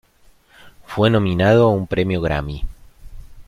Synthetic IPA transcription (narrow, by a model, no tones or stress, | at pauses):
fwenõ̞minað̞oumpɾemjoɣɾa̰mi